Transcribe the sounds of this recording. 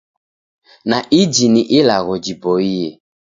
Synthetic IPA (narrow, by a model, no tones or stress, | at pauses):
naʔid͡ʒiniʔilaɣɔd͡ʒibɔiɛ